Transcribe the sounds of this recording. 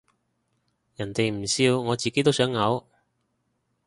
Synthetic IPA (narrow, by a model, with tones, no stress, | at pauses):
jɐ˨˩nt̪e˨jm̩˨˩siː˧wŋɔː˨˧t͡siː˨ke˨˥jt̪o˥wsœː˨˥ŋːɐ˨˧w